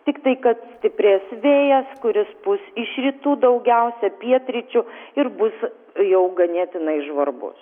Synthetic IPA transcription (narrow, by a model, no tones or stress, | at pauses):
t̪ʲɪkt̪ɐɪkɐt̪sʲt̪ʲɪpʲɾʲeːsʋʲeːjɛskʊɾʲɪsbʊsɪʃɾʲiːt̪uːd̪ɐʊɡʲɛʊsʲɛpʲiɛt̪ʲɾʲɪt͡ʃʲʊɪɾbʊs | jɛʊɡɐnʲeːt̪ʲɪnɐɪʒʋɐrbʊ̰s